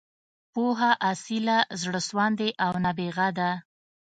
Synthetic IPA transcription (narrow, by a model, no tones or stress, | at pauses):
poɦaʔasɪlazɽəswɑnd̪eʔawnabeɣad̪a